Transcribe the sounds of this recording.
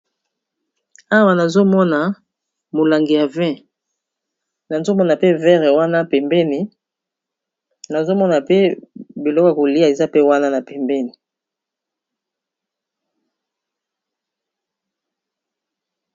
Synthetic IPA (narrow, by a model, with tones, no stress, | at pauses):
a˦wa˨na˨zo˦mɔ˦na˨ | mo˨la˨ŋɡi˨ja˨vɛ̃˦ | na˨zo˦mɔ˦na˨pe˦vɛ˦ʁɛ˨wa˦na˦pɛ˨mbɛ˦ni˨ | na˨zo˦mɔ˦na˨pe˦bi˨lɔ˦kɔ˨a˨ko˨li˦a˨e˨za˦pe˦wa˦na˦na˨pɛ˨mbɛ˦ni˨